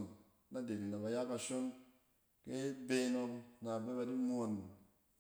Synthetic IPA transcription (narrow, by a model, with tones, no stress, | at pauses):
n | na˦de˨ni˨na˨ba˨ja˦ka˨ʃo˦n | ke˦be˦no˧ŋna˨be˦ba˨di˦mo˨n˨